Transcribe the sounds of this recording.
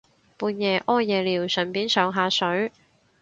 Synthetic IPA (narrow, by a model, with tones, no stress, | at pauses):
puː˨˧njɛː˨˧ʔɔː˥jjɛː˨liː˨˩wsɵ˨˩npiː˨˥nsœː˨˧ŋɦaː˨˧sɵ˨˥ɥ